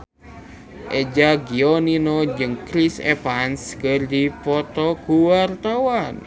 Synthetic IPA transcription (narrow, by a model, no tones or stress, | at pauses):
ʔed͡ʒaɡiɔninod͡ʒəŋkɾisḛpanskərd̪ipɔt̪ɔkuwart̪awan